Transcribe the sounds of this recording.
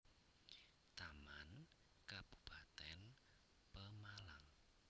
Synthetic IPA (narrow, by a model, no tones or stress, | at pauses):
t̪aman | kab̥u̥pʰat̪ɛn | pəmalaŋ